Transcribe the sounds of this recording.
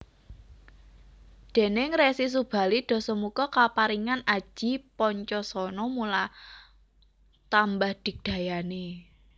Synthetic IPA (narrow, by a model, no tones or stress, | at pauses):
d̪̥e̤nɪŋresis̬ub̥a̤lid̪̥ɔ̤sɔmukɔkapaɾiŋanḁʒ̥i̤pɔɲt͡ʃɔsɔnɔmula | t̪ambahd̥i̤k̚d̪̥a̤jane